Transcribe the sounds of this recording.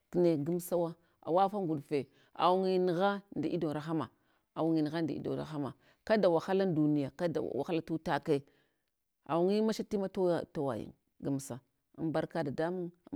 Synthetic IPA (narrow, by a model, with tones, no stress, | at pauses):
kne˨ɡu˦msa˦wa˦ | a̰˨wa˦fa˦ŋɡu˨dfe˨ | a̰˨wu˦ŋi˦ni˨ɣa˦nda˨ʔi˦do˨ɾa˨xa˦ma̰˨ | a˨wu˦ŋi˨ni˨ɣa˦nda˨ḭ˦do̰˨ɾa̰˨xa˦ma̰˨ | ka˦da˨wa˨xa˦la˦n˦du˨ni˦˨ja˨ka˦da̰˨wa̰˨xa˦la˦tu˦ta˦ka˦˨ | a̰˨wu˦ŋi˦ma˦ʃa˦ti˦ma˦tto˦wa̰˨jḭ˨ŋ | ɡu˦msa˨ | a̰˨˦mba˦ɾka˦da˨da˦mu˦ŋ˦